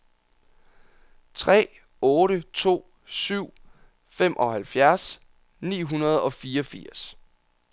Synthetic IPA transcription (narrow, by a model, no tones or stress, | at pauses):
t͡sʰʁɛ̰ː | ɔ̽ːɾət͡sʰo̝̰ː | syʊ̰ | fem̰ʔɒ̽hælfjæɐs | nḭːɦunɐð̞ˠɒ̽fiːɒfiɐ̰s